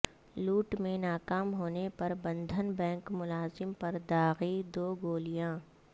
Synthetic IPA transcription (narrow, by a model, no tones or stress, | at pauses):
luːʈmẽnaːkaːmɦoːnepɐɾbɐ̃nd̪ʱənbɛ̃ːŋkmʊlaːzɪmpɐɾd̪aːɣid̪oːɡoːlijãː